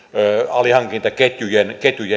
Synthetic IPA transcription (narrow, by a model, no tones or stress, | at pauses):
ɑlihɑŋkint̪ɑket̪ʲjujenket̪ʲjuje